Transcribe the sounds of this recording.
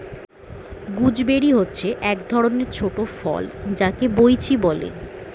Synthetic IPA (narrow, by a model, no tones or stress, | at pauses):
ɡud͡ʑbeɾiɦotːɕʰeʔɛk̚d̪ʱɔɾoneɾt͡ɕʰoʈofɔ̰ld͡ʑakebojt͡ɕʰibɔlḛ